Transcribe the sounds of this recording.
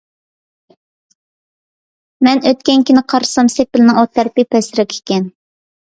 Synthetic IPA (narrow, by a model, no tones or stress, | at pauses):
mɛnøt̪kʲɛnkʲinɪqʰɑɾsɑmsepɪlɪnɪŋot̪ʰːɛɾpipʰɛsɪɾɑkʲʰe̥kʲɛn